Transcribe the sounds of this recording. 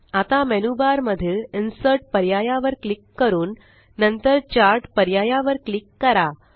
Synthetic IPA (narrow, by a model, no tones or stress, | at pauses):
at̪amɛnubaɾməd̪ʱiːlinsəɾʈ̚pəɾjajaʋəɾklikːəɾuːnː | ənt̪əɾt͡ɕaɾʈpəɾjajaʋəɾklikːəɾa